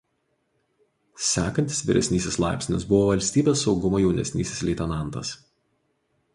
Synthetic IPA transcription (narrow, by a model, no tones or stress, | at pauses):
sʲæːkɐnʲt̪ʲɪsʋʲɪɾʲɛ̰sʲnʲiːsʲɪslˠɑˑɪpʲsʲnʲɪ̰sbʊʋoːʋɐlʲsʲt̪ʲiːbʲeːsːɒʊɡʊmojɛʊnʲɛ̰sʲnʲiːsʲɪslʲɛɪt̪ʲɛnɑˑnt̪ɐ̰s